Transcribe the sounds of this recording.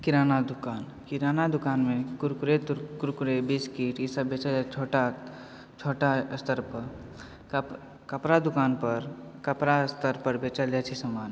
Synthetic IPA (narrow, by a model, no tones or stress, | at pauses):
kiɾaːnad̪ukaːn | kiɾanad̪ukaːnmẽkʊɾkɾet̪kʊɾkuɾebiːskiːʈisəbbet͡ʃat͡ʃʰoʈa | t͡ʃʰoʈast̪əɾpə | kəpɾad̪ukaːnpəɾkəpɾast̪əɾpəɾbet͡ʃalɛt͡ʃʰisəmaːn